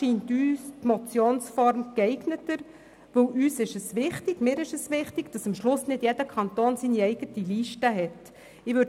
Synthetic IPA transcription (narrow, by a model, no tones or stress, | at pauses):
iːntyːstmɔt͡sjoːnsfɔɾmkɛɪɡnətəɾ | ʋɵwʔyːsɪʃəsʋɪχtɪɡ̥mɪːɾɪʃəsʋɪχtɪɡ̥d̥ɑsəmʃlʊsnɪd̥jɛdəkʰɑnt̪oːnsiːniɛɪɡ̥ətiliːʃtəɦɛt | ɪʋø